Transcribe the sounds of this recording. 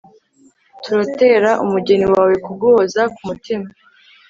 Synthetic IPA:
tuɾate̞ɾaʔumuɟe̞niwaːwe̞kubɡoːzakumutima

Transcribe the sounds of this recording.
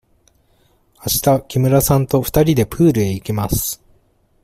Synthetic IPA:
aɕi̥t̪akʲimɯ̟ɾasãnt̪o̞ɸɯ̟̥t̪aɾʲid̪e̞pɯːɾɯ̟e̞ikʲimasɨ̥

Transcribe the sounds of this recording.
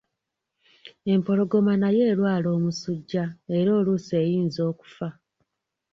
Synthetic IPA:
e̞mpo̞lo̞ɡo̞manaje̞ːlwaːlo̞ːmusuɟːae̞ɾo̞ːluse̞ːjiːnzo̞ːku̥fa

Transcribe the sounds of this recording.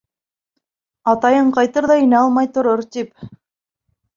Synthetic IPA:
ɑt̪ɑjɤɴqɑjt̪ɤɾðɑɵ̆næɑlˠmɑjt̪ŏɾoɾt̪ip

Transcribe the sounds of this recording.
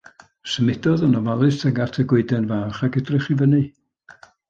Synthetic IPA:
səmɪdɔðənɔvalˠɨsʰəŋɡatʰəɡwɪɨdɛnvaːχaɡədrɪχivənɨ

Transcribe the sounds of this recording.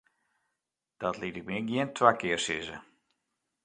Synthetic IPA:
d̥ɔtlitɪk̚miɡjiəntʰwakɪərsɪzə̰

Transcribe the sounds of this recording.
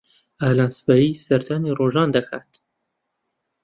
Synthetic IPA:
aːlaːnsbaːjiːsɐɾd̪aːniroːʒɑːnd̪ɐkʰa̰ːt̪

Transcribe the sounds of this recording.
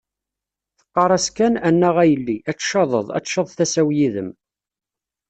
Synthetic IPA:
θə̥qːɑɾˤæskænænːæʁæjəlːiʔæt͡sːʃɑðˤəðˤæ̰t͡sːʃəðˤθæsæwjiðəm

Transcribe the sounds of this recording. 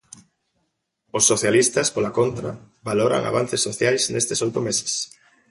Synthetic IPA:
ʊsːoθjalist̪ɐspolakont̪ɾa | βaloɾa̰ŋa̰βan̟θesːoθjajsnest̪ɪsojt̪ʊmesɪ̥s

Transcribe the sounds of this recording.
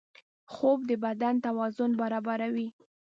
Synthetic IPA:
xob̚d̪əbad̪ant̪awɑzʊnbaɾɑbaɾawi

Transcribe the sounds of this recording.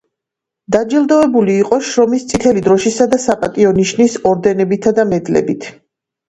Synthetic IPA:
d̪̥ad͡ʒilˠd̪ɔɛbuliːqʼɔʃɾɔmist̪sʰʼit̪ʰɛlid̪ɾɔʃisad̪asapʼat̪ʼiɔniʃnisɔɾd̪ɛnɛbit̪ʰad̪amɛd̪lɛ̰bit̪ʰ

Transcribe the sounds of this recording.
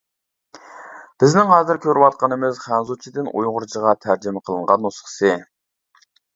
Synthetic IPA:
b̥ɪznɪŋɦɑːzɪɾkʲʰøɾɪwɑt̪̚qɑnɨmɨzχænzut͡ʃʰid̪ɪnṵjʁʊɾt͡ʃʰəʁɑt̪ʰæɾd͡ʒɪmɛqʰəlˠɨɴʁɑnːosχə̥sɨ

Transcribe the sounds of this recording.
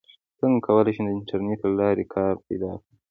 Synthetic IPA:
səŋɡakʰawəlajʃid̪əɪɳʈʰaɾnetlalɑɾekʰɑɾpajd̪ɑkɽi

